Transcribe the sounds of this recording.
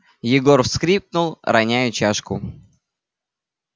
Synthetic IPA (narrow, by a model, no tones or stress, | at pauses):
jɪɡo̞rfskɾʲip̚nʊlˠɾɐnʲæjʊt͡ɕaʂkʊ